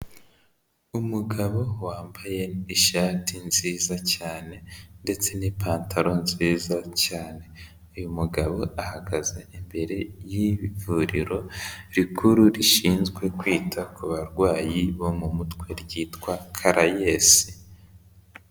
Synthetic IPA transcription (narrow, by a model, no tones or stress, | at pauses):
umuɡaβo̞waːmbaje̞iʃaːtinziːzacaːne̞nde̞t͡se̞nipaːntaɾo̞nziːzacaːne̞ | ujumuɡaβo̞ʔahaɡaze̞imbe̞ɾe̞jiβivuɾiɾo̞ɾikʰuɾuɾiʃiːnzɡwe̞kwiːtʰakuβaɾɡwaːjiβo̞mumutkwe̞ɾɟiːtkwakʰaɾajesi̥